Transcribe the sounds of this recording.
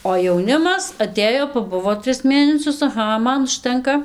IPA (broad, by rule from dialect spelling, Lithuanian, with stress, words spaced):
oː jɛʊˈnʲɪmɐs ɐˈtʲeːjoː pɐˈbʊʋoː ˈtʲrʲɪs ˈmʲeːnʲɛsʲʊs ɐˈɣɐ ˈmɐn ʊʃʲˈtʲɛŋkɐ